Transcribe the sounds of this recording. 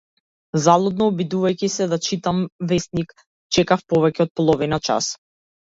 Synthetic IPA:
zalˠɔd̪nɔːbid̪uvajcisɛd̪at͡ʃit̪amvɛsnik | t͡ʃɛkafpɔvɛcɛɔt̪̚pɔlˠɔvinat͡ʃa̰s

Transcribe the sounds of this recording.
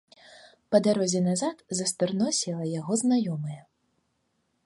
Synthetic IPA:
pɐd̪aɾɔzʲɛnazat̪zɐst̪ɨrnɔsʲilˠɐjaɣɔznajɔmɐjɐ

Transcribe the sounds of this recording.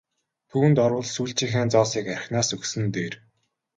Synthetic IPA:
t̪ʰuːnt̪ɔɾwə̆ɮsuːɬt͡ɕĭːŋxeːnt͡sɔːsiːkærʲɪ̆xnaːsɵksɘ̆nt̪eːr

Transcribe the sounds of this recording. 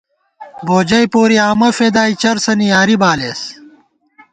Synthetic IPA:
boːd͡ʑɐjpoːɾiaːmɐfed̪aːit͡ɕɐɾsɐnijaːɾibaːleːs

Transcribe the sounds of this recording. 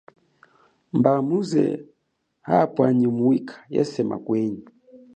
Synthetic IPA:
mbamuzɛ̰ | hapwaɲimuwikʰḁjɛ̰sɛma̰kwɛɲi

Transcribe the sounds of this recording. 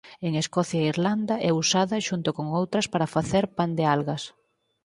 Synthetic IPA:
eŋeskɔθjaiɾland̪ɐʔɛusaðɐʃunt̪ʊkoŋowt̪ɾɐspaɾɐfaθeɾpand̪ealɣɐs

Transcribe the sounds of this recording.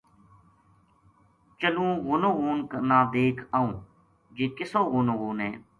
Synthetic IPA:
t͡ʃəlũːɣʊnõːɣuːnkənaːd̪eːkʰaːũː | d͡ʒeːkɪsõːɣʊnoɣuːnɦɛː

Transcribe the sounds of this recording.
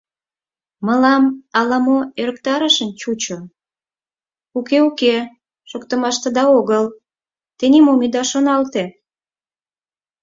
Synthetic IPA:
məlɑmɑlɑmoøɾəkt̪ɑɾəʃə̆nt͡ɕut͡ɕo | ukeuke | ʃokt̪ə̆mɑʃt̪ə̆d̪ɑoɣəl | t̪enimomid̪ɑʃonɑlt̪e

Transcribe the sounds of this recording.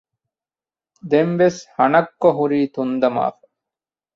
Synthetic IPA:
d̪emʋeshɐnɐkːoɦuɾiːt̪und̪ɐma̰ːfɐ̥

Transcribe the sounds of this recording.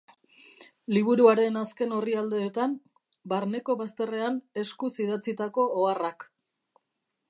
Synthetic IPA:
liβ̞uɾuaɾe̞naske̞no̞riald̪e̞ːt̪am | baɾne̞ko̞βast̪e̞re̞ane̞skusiðat͡sit̪ako̞ːarak

